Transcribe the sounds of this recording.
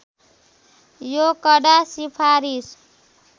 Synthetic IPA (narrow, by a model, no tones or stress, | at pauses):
jokʌɖasipʰaɾis